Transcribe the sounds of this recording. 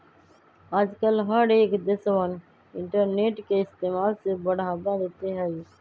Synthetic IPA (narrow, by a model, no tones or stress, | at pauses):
aːd͡ʒkəlɦəɖeːkd̪ɪsʋən | ɪ̃ɳʈəɾneːʈkeɪst̪eːmaːlsebəɽʱaːbãd̪eːt̪eɦɛ